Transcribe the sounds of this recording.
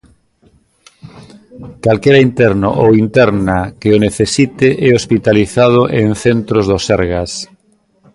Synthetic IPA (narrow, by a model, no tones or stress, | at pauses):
kalkeɾɐint̪ɛɾno̰ʔowint̪ɛɾnakeoneθesit̪ɪʔɛospit̪aliθað̞ʊʔeŋθent̪ɾozðosɛɾɣas